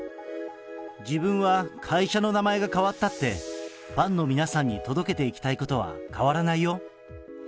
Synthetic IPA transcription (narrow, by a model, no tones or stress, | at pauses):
d͡ʑibɯ̟̃ɰ̃βakʰaiɕano̞namae̞ɡakaβat̪ːat̪ːe̞ | b̥ãnːo̞mʲinasãɲ̟ːit̪o̞d̪o̞ke̞t̪e̞ikʲi̥t̪aiko̞t̪o̞β̞a̰kaβaɾanaijo̞